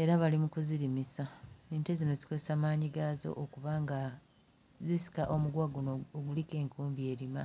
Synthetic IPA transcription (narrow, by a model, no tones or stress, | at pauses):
e̞ɾaβalimukuziɾimisaeːntezino̞zikozesamaːɲiɡazo̞̰ʔokuβaŋɡa | zisi̥kaʔomuɡwaɡunooɡulike̞ːŋkuːmbie̞ːɾima